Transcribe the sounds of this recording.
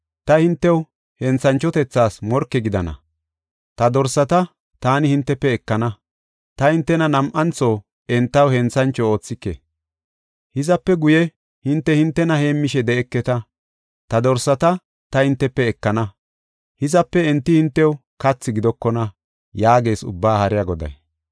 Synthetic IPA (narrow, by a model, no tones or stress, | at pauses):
t̪ɐhɪnt̪ːɛw | hɛnt͡sɐnt͡ʃːɔt̪ɛt͡sːaːsmɔɾkːɛɡɪd̪ɐ̰nɐ̰ | t̪ɐd̪ɔɾsːɐt̪ɐ | t̪aːnɪhɪnt̪ːɛpːɛɛkːɐnɐ | t̪ɐhɪnt̪ːɛnɐnɐmʔɐnt͡soː | ɛnt̪ːɐwhɛnt͡sɐnt͡ʃːɔo̞ːt͡sːɪkːḛ | hɪzɐpːɛɡʊjɛ | hɪnt̪ːɛhɪnt̪ːɛnɐhe̞ːmːɪʃɛd̪ɛɛkːɛt̪ɐ | t̪ɐd̪ɔɾsːɐt̪ɐ | t̪ɐhɪnt̪ːɛpːɛːkːɐnɐ | hɪzɐpːɛɛnt̪ːɪhɪnt̪ːɛw | kɐt͡sːɪɡɪd̪ɔkːɔnɐ | jaːɡe̞ːsʊ̰bːaːhɐɾɪjɐɡɔd̪ɐ̰j